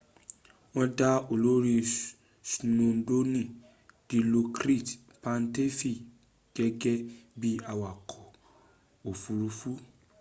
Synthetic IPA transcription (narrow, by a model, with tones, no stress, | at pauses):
w̃ɔ̃˦da˦o˨lo˦ɾi˧ | snõ˨˧˦do˦nĩ˦˨ | d̥i˨˦lo˧kɾi˦˨t | pã˧n˦te˦fi˦˨ | ɡ̥ɛ˧ɡɛ˦bi˦a˨wa˨kʰɔ˨ | o˨fu˨ɾu˧fu˦